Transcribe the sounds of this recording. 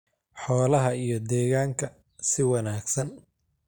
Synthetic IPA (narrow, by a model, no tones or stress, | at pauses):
ħɔːlɐɦɐijɞd̪ɛːɣaːŋkʰɐ | sɪwɑnaːɡsɐn